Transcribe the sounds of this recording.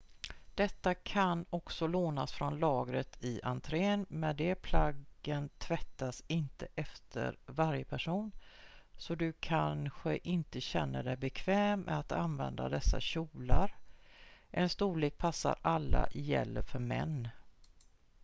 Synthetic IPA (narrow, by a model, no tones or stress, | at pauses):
d̪̥ɛt̪ːakʰanɔksɔloːnasfɾɔnlɑːɡɾət̪ʰɪʔant̪ʰɾeːnmɛnd̪ɛpʰlaɡənt̪ʰvɛt̪ːasɪnt̪əʔɛft̪ʰə̰ɾvaɾjəpʰæʂuːnsɔd̪ɵkʰanɧəʔɪnt̪əɕɛnːəɖɛjbɛkʰvɛːmɛ̰at̪a̰nvɛnd̪a̰d̪ɛsːa̰ɕuːlaɾ | ʔɛnst̪uːliːk̚pʰasːa̰ɾʔalːa̰jɛ̰lːəfœɾmɛ̰nː